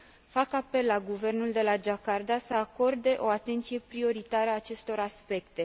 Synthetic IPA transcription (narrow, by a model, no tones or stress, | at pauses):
fakape̞lːaɡuve̞rnuld̪e̞lad͡ʒakard̪asəako̞rd̪e̞ʔo̞at̪e̞nt̪sije̞pɾio̞ɾit̪aɾəːt͡ʃe̞st̪o̞ɾaspe̞kt̪e̞